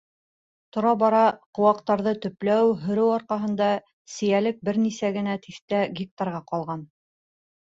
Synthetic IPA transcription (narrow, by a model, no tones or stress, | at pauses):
t̪ŏɾɑbɑɾɑqŏwɑqt̪ɑɾðɤt̪ɵ̆plæwɦɵ̆ɾɘwɑɾqɑɦɤ̆nd̪ɑ | sɘ̆jælɘk̚bɘɾnisæɡɘ̆næt̪ʰiθt̪æɡʲik̚t̪ɑrʁɑqɑlˠʁɑn